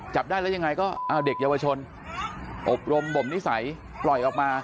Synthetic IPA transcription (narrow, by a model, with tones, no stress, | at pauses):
t͡ɕa˨˩p̚daː˥˩jlɛ˦˥ja˧ŋa˧jkɔː˥˩ʔaː˧˩de˨˩k̚jaː˧wa˧t͡ɕʰo˧n | ʔo˨˩p̚ɾo˧mbo˨˩mni˦˥sa˩˦j | plɔ˨˩jʔɔː˨˩k̚maː˧